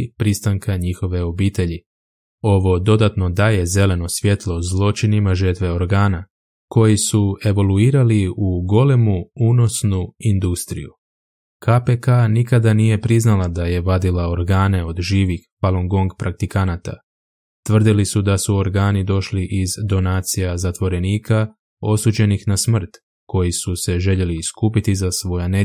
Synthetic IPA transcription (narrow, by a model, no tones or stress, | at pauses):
pɾist̪aŋkʰaɲixo̞ʋe̞o̞biːt̪e̞ʎi | o̞ʋo̞d̪o̞d̪at̪no̞d̪aːje̞ze̞le̞no̞sʋje̞t̪lˠo̞zlˠo̞t͡ʃinimaʒəɾt̪ʋe̞o̞ɾɡaːna | ko̞jisue̞ʋo̞luiːɾaliuɡo̞le̞muuːno̞snuind̪ust̪ɾḭju | kʰapekanikad̪anije̞pɾiznalad̪aje̞ʋad̪ilao̞ɾɡaːne̞o̞d̪ʒiːʋixpalˠo̞ŋɡo̞ŋɡpɾʔak̚t̪ikanat̪a̰ | t̪ʋr̩d̪ilisud̪asuo̞ɾɡaːnid̪o̞ʃliʔizd̪o̞naːt̪sijazat̪ʋo̞ɾe̞niːkʰa | o̞suːd͡ʑe̞nixnasmr̩t̪ | ko̞jisuse̞ʒe̞ʎe̞liːskuːpit̪izasʋo̞jane